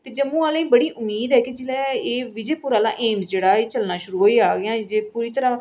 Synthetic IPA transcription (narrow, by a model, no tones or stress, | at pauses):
t̪eːd͡ʒəmũːaːlẽĩːbəɽiːʔʊmːiːd̪ɦɛːked͡ʒɪlɛːeːʋɪd͡ʒeːpʊɾaːlã̰ːʔeːmsd͡ʒeːɽaːeːt͡ʃəlnaːʃʊɾuːɦoːiːaːɡɪãːd͡ʒeːpuːɾiːt̪əɾãː